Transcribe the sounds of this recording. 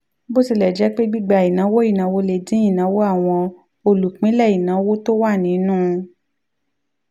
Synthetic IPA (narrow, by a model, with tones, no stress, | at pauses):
bo˦si˧˨lɛ˨d͡ʒɛ˨˦k͡pe˦ɡ͡bi˦ɡ͡ba˧˨i˨nã˨˦wo˦i˦˨nã˨˦wo˦le˨dĩ˨˦i˦˨nã˨˦wo˦a˦˨w̃ɔ̃˧ | o˧lu˨k͡pĩ˨˦lɛ˦˨i˨nã˨˦wo˦to˦wa˦˨nĩ˨˦nũː˦˧